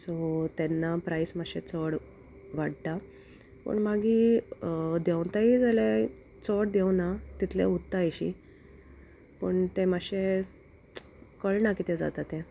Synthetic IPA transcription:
sot̪enːapɾaismaɕet͡sɔɽ | ʋaɽt̪a | pə̰ɳmaɡi | d̪jɛwnt̪aid͡zale | t͡sɔɽd̪ɛwnat̪it̪ʰlḛut̪ːajɕḭ | pə̰ɳt̪emaɕe | kəɭnakit̪ed͡za̰t̪at̪ẽ

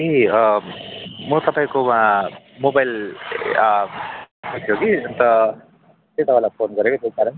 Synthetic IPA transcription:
i | mʌt̪ʌpaĩkoma | mobajl | ut̪ʰjoɡiʌnt̪ʌ | t̪et̪aʋalapʰonɡʌɾekot̪ekaɾʌn

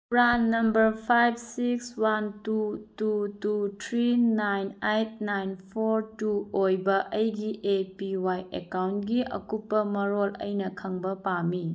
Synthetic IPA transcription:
pɾanːɐmbɐɾpʰajb̚sikswantutututʰɾinajnejt̚najnpʰoɾtuojbɐʔɐjɡiʔepiwajḛkawntɡiʔɐ̰kupːɐmɐɾolɐ̰jnɐkʰɐŋbɐpami

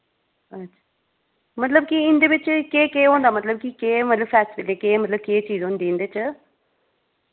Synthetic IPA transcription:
ɐtːt͡ʃʰḁː | mɐt̪ləb̚kiɪnd̪eːʋɪt͡ʃkeːkeːɦõːnd̪aːmət̪ləb̚kikeːmɐt̪ləbfɛːssɪpɪt̪ekeːmət̪ləb̚keːt͡ʃiːzɦõːnd̪iːɪnd̪et͡ʃ

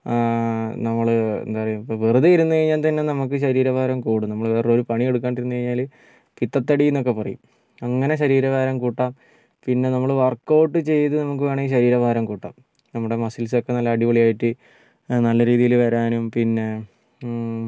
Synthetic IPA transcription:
nɐmːɐɭḛnd̪aːrɐjumipːoʋiruðɐjiɾunːɨkɐɻiɲːaːlt̪ɐnːe̞nɐmuk̬ːɨɕɐɾiːɾɐbʱaːɾɐmkuːɽunɐmːɐɭʋeːroɾupɐɳije̞ɽuk̬ːaːnɳɖiɾunːɨkɐɻɲːaːl | pit̪ːɐt̪ːɐɽijunːo̞k̬ːe̞pɐrɐ̰jṵm | ɐŋːɐne̞ɕɐɾiːɾɐʋaːɾɐmkuːʈːaːm | pinːe̞nɐmːɐɭʋɐrkːoːʈːɨt͡ɕe̞jt̪ɨnɐmuk̬ːɨʋeːɳɐiːɕɐɾiːɾɐbʱaːɾɐmkuːʈːa̰ːm | nɐmːuɽe̞mɐsils̬okːe̞nɐlːɐːɽiʋɐɭijaːjiʈːɨ | nɐlːɐɾiːðijilʋɐɾaːnumpinːe̞

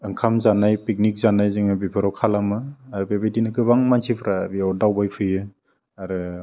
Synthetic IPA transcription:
ɯŋkʰamzanajpik̚nik̚zanajzɯŋɯbipʰɯɾɔkʰalamɯaɾɯbebejdinɯɡɯβaŋmansipʰɾabiawdawbajpʰɯjɯ | aɾɯ

